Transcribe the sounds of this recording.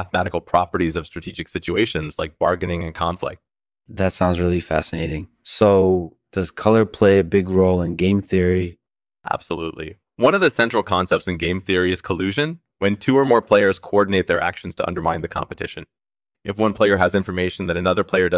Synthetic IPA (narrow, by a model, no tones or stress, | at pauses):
æθəmæɾɨkl̩ˠpʰɹ̥ɑpə˞ɾizʌv̥stɹ̥ɨtʰid͡ʒɨksɪt͡ʃʉeɪʃɨ̃nz̥la̰ɪk̚b̥ɑɹɡɨnɪ̃ŋɨ̃nkʰɑ̃ɱflɪ̰k̚t̚ | ðɨtsãʊ̃ndzɹɪlˠifæ̰sɨneɪɾɪ̃ŋ | soʊd̥ʌz̥kʰʌlˠə˞pʰl̥eɪɨbɪɡɹoʊlˠə̃nɡẽɪ̃mθɪɹi | ʔæ̰b̥səluʔˡlḭ | wʌ̃ñʌvðɨsɛ̃nt͡ʃɹ̥l̩ˠkʰɑ̃nsɛp̚tsɨ̃nɡẽɪ̃mθɪɹiɨz̥kʰəlʉʒɨ̃n | wɨ̃ntʰʉə˞mɔɹpʰl̥eɪə˞z̥kʰoɔɹdⁿn̩eɪt̪̚ðə˞ʔæ̰kʃn̩z̥tʰəʌ̰̃ndə˞mãɪ̃nðɨkʰɑ̰̃mpɨtʰɪʃɨ̃n | ʔɨfwʌ̃npʰl̥eɪə˞əzɪ̃ɱfə˞meɪʃn̩ðɨ̃ɾɨnʌðə˞pʰl̥eɪə˞dʌ